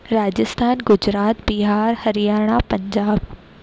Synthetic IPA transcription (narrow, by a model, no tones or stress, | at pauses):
ɾaːd͡ʑɪst̪ʰaːnɡʊd͡ʑɾaːt̪̚biɦaːɾhɐɾijaːɽ̃apɐ̃ɲd͡ʑaːb